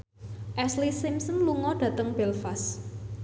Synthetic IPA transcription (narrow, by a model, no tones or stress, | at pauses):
ʔɛslisimsənluŋɔɖ̥ä̤t̪əŋb̥ɛlfas